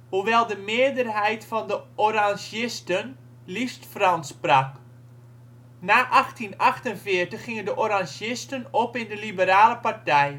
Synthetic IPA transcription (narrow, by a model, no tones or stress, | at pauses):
huʋɛlˠdəmɪədərɦɛjtfɔndəʔoraŋʒɪstən | listfrɑnsprak | naːʔaxtinɑxtənfɪərtəxːɪŋəndəʔoɾaŋʒɪstənopɪndəlibəɾaːləpartɛj